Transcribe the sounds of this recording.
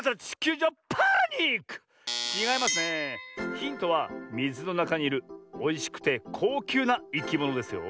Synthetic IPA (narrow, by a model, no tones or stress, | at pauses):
taɾat͡ɕi̥kʲɨːd͡ʑapʰaɲʲikɯ̥ | iɡaimasɨne̞çʲĩnt̪o̞βamʲizɨno̞nakaɲ̟iiɾɯ̟o̞iɕi̥kɯ̟̥t̪e̞kʰo̞ːkʲɨːnaikʲimo̞no̞d̪e̞sɨjo̞̰